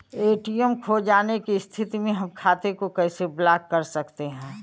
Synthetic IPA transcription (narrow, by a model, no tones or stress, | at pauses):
eːʈijəmkʰod͡ʒaːnekist̪ʰɪt̪imẽɦɐmkʰaːt̪ekokɛːseblaːkːɐɾsɐkt̪eɦɛ̃ː